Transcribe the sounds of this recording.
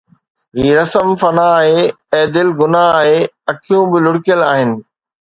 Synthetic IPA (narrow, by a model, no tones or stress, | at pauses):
ɦiːɾɐsəmfɐnaːɦe | ɛːd̪ɪlɡʊnaaːɦeɐkʰijũbɪlʊɽɪkjəlaːɦɪnɪ̆